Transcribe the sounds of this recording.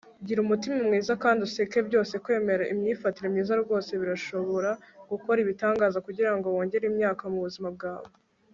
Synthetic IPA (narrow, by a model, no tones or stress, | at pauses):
ɟiɾumutimimŋiːzakaːndusekebɟjo̞ːse̞kwe̞ːme̞ɾaʔimɲiːfatiɾemɲiːzaɾɡo̞ːse̞βiɾaʃo̞βo̞ɾaɡ̥uko̞ɾiβitaːŋɡaːzakuɟiɾaŋɡo̞wo̞ːɲɟe̞ɾimɲaːkamuβuzimab̚ɡaːβo